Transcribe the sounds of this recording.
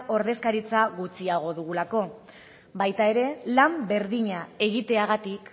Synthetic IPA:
o̞ɾðe̞skaɾit͡saɣut͡siaɣ̞o̞ðuɣulako̞ | bajt̪ae̞ɾe̞lambe̞ɾðiɲae̞ɣ̞it̪e̞aɣ̞at̪ik

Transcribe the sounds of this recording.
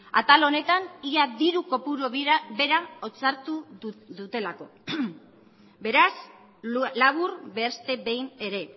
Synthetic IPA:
a̰t̪alo̞ne̞t̪aniaðiɾuko̞puɾobe̞ɾaot͡saɾt̪uðut̪e̞lako̞̰ | be̞ɾas | laβ̞uɾbe̞st̪e̞βe̞jne̞ɾe̞

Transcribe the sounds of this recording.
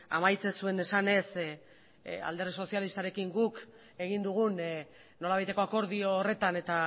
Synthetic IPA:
a̰majt͡se̞sue̞ne̞sane̞s | a̰ld̪e̞rðiso̞sialist̪aɾe̞kiŋɡuk | e̞ɣ̞ind̪uɣ̞un | nːo̞laβajt̪e̞ko̞ako̞ɾðio̞ːre̞t̪ane̞t̪a

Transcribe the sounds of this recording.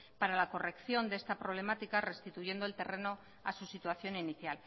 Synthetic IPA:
paɾalako̞re̞kθjo̞nd̪e̞st̪apɾo̞β̞le̞mat̪ikare̞st̪it̪ujʝe̞nd̪oe̞lt̪e̞rʔe̞no̞ | a̰susit̪waθjo̞niniθjal

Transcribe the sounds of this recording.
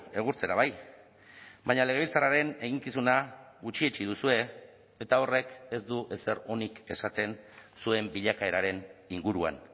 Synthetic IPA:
e̞ɣ̞uɾt͡se̞ɾaβ̞aj | baɲale̞ɣ̞e̞βilt͡saraɾe̞ne̞ɣ̞iŋkisunaɣut͡ʃiet͡ʃiðusue̞ | e̞t̪ao̞re̞ke̞zd̪uʔe̞se̞ɾo̞nike̞sat̪e̞nsue̞mbiʎakae̞ɾaɾe̞niŋɡuɾua̰n

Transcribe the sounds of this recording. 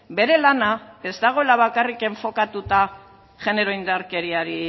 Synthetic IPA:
be̞ɾe̞lanae̞zt̪aɣ̞o̞e̞laβ̞akarike̞ɱfo̞kat̪ut̪a | ʝe̞ne̞ɾo̞ind̪aɾke̞ɾiaɾi

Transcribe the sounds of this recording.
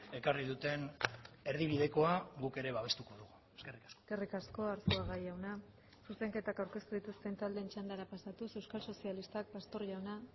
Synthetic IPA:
e̞kariðut̪e̞ne̞ɾðiβiðe̞ko̞aɣuke̞ɾe̞βaβ̞e̞st̪uko̞ðuɣu | eskerikasske̞rikasko̞aɾsuaɣajawna | suse̞ŋke̞t̪akawɾke̞st̪uðit̪ust̪e̞nt̪ald̪e̞ːnt͡ʃand̪aɾapasat̪use̞wskalso̞sialist̪ak̚past̪o̞ɾʝawna

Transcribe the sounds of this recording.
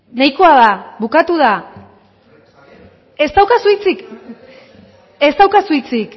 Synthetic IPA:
najkoaðaβukat̪uð̞a | e̞st̪awkasujt͡sik | e̞st̪awkasuit͡sik

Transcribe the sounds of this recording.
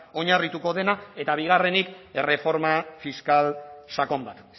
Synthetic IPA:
o̞ɲarit̪uko̞ðe̞nae̞t̪aβ̞iɣ̞are̞nikere̞fo̞ɾmafiskalsako̞mbat̪

